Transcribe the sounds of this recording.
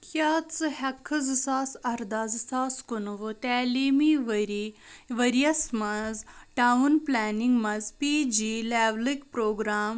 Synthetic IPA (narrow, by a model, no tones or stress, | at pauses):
kjaːt͡sɨhɐkʰːɨzɨsaːsɐɾd̪aːzɨsaːskunuʋot̪ɛːliːmiʋɐɾiʋɐɾijɐsmɐzʈanplaːniŋɡmɐzpiːd͡ʒiːlɛːʋlikpɾoːɡɾaːm